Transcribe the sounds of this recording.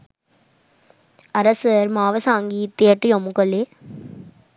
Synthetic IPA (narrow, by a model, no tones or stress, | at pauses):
ɐɾɐsɐɾmaːʋɐsaːŋɡit̪eːʈːɯjomukːɐɭeː